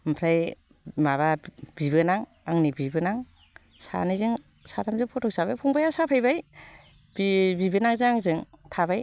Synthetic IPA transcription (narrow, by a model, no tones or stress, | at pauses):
mpʰɾaj | maβab̥ibɯnaŋ | aŋnibibɯnaŋ | sa̰nizɯŋ | satʰamzɯŋpʰɔtʰɔk̚sabajpʰɔŋbajasapʰajbaj | bibibɯnaŋzɯŋaŋzɯŋtʰabaj